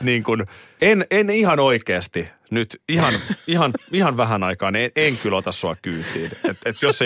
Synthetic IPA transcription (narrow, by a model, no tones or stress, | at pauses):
niːŋkun | enenihɑnoikeːst̪i | nyt̪ihɑnihɑnihɑnʋæhænɑikɑːneeŋkylot̪ɑssoɑ̰kkyːt̪iːnet̪et̪josːe